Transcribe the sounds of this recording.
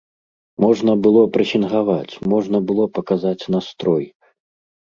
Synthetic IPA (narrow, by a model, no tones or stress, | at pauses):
mɔʐnɐbɨlˠɔpɾɨsʲinɣavat͡sʲmɔʐnɐbɨlˠɔpɐkazat͡sʲnast̪ɾɔj